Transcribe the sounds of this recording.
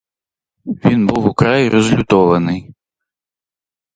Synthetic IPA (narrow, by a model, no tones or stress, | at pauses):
vʲinbɨwukɾajiɾɛzlʲut̪ɔvɐnɨ